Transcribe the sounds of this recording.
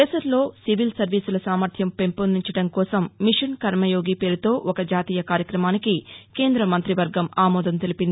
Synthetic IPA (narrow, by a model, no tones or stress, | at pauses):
ɛːsɐlːo̞ːsiʋilsɐɾʋiːsulɐsaːmɐɾt̪ʰjɐmpe̞mponiɲt͡ʃɐɽɐŋkɔːsɐmːiʂɐnkɐɾmɐjo̞ːɡipe̞ːɾut̪o̞ːʔɔkɐd͡ʒaːt̪iːjɐkaːɾjɐkɾɐmaːnikike̞ːnd̪ɾɐmɐnt̪ɾiʋɐɾɡɐmaːmɔːd̪ɐnt̪elipind̪ii